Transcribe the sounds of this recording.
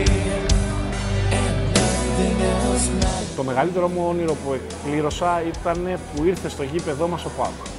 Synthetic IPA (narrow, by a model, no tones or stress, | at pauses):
t̪o̞me̞ɣɐlit̪e̞ɾo̞moniɾo̞pue̞kpliɾo̞sɐit̪ɐne̞puiɾθe̞st̪o̞ʝipe̞ðo̞mɐso̞pɐk